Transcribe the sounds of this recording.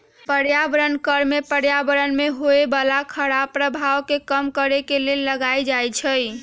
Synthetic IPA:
pəɽjabəɾənkəɾmepəɽjabəɾənmeɦoebalakʰəɽapɾəbʱawkekəmkəɾekelelːəɡajd͡ʒajt͡ʃʰəj

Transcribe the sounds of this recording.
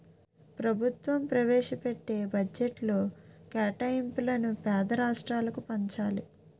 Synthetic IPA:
pɾɐbʱut̪ʋɐmpɾɐʋɛːʂɐpeʈːe̞ːbʱɐd͡ʒeʈlo̞ːkɛːʈɐjimplɐnupɛːd̪ɐɾaːʂʈɾaːlɐkupɐɲt͡ʃaːli

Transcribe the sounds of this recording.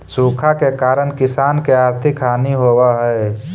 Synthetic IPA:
suːkʰakekaːɾənkɪsaːnkeaɾt̪ʰɪkaːniɦoːwaɦɛe

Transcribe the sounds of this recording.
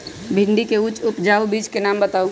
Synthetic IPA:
bʱɪɳɖikeʊt͡ʃʊpd͡ʒaːubiːd͡ʒkenaːmbət̪aːũ

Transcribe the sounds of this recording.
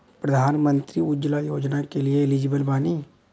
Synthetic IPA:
pɾɐd̪ʱaːnmə̃nt̪ɾiʊd͡ʒlajoːd͡ʒnakelieɪlid͡ʒɪbəlbaːniː

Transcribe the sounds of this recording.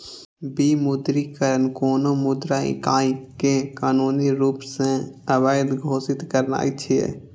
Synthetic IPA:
bimud̪ɾikəɾənkoːnomʊd̪ɾaɪ̰kaːkekaːnuniɾuːpsẽəbaɪd̪ɡʱoːsɪt̪kəɾna̰ːjt͡ʃʰiḛ

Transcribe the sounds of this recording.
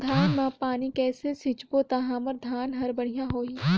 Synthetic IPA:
d̪ʱaːnmãːpaːnikɛːsesɪt͡ʃbot̪aɦãːməɾd̪ʱaːnɦɐɾbɐɽ̤ijaɦoːiː

